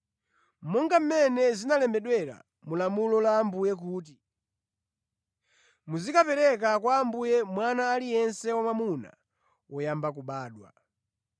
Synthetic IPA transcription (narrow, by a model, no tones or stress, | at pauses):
m̩mɔŋɡam̩mɛnɛzinalɛmbɛɗwɛɾa̰ | mulamulɔlaːmbujɛk̬uːt̬i | muzikapɛɾɛk̬akwaːmbujɛmwanaːlijɛnsɛwamamuna̰ | wɔjambak̬uɓaːɗwa̰